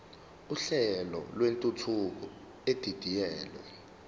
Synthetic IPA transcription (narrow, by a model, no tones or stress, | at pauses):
uɬɛlɔ̰lwentʼutʰuk̬ɔ | ed̥ʱid̥ʱijɛːlwɛ̰